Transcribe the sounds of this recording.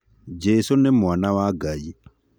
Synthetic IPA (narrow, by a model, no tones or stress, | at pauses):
d͡ʒesonemwanawaɡai